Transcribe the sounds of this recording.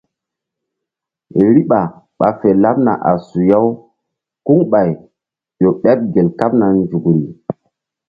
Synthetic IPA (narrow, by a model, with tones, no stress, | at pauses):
ɾi˦ɓa˨ | ɓa˨fe˨la˦p̚na̰˨ʔa̰˨su˨ja˦w | ku˦ŋɓa˨j | jo˨ɓɛ˦p̚ɡe˨lka˦p̚na˨nd͡ʒu˨kɾi˨